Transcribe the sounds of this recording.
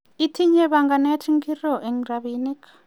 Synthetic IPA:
i˦tʰi˦ɲɛ˦βa˨ŋɡa˨nɛ˦tʰi˦ŋɡi˦rɔ˨ʔɛ˨ŋɾaβini˦kʰ

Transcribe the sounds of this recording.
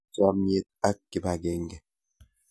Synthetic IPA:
sa˦m˦e˦t̪̚a˦kːe˨ba˨ɡe˦ŋɡe˨

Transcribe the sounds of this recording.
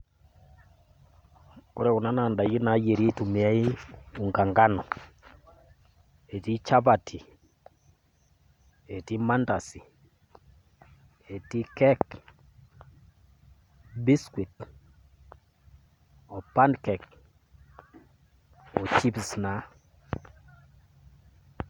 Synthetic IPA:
ko˦ɾɛ˦˨u˨na˦na˨nda˨ɡi˦na˨˦je˨ɾi˦tu˨mi˨a˦i˦u˨ŋɡa˨ŋɡa˦nɔ˨ | e˨ti˦t͡ʃa˦ba˨tʰi˨ | e˨ti˦ma˦nda˨si˨ | e˨ti˦kɛ˦k | bi˦skwe˨t | ɔ˨pa˦nkɛ˨k̚ | ɔ˨t͡ʃi˦psna˨

